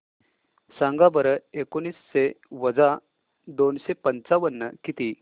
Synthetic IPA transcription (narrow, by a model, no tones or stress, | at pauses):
sãŋɡabəɾəekoñiːsɕeʋəd͡za | d̪onɕepənt͡saʋənːəkit̪i